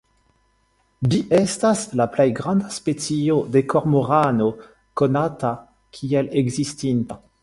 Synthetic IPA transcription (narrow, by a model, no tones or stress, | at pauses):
d͡ʒiʔestaslaplejɡʁãndaspet͡siodekoʁmoʁano | konata | kʰieleɡzistinta